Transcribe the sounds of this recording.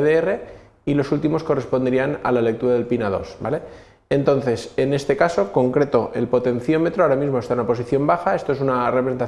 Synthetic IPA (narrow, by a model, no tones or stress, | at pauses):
ðeere̞ | ilo̞sult̪imo̞sko̞respo̞nd̪eɾiana̰lale̞k̚t̪uɾaðe̞lpinaðo̞̰sba̰le̞ | ent̪o̞nθe̞se̞ne̞st̪ekaso̞ko̞ŋkɾe̞t̪oʔe̞̰lpo̞t̪e̞nθjo̞me̞t̪ɾoaoɾamizmost̪aunapo̞s̬iθjo̞mbaxaest̪o̞e̞sunarepɾesent̪a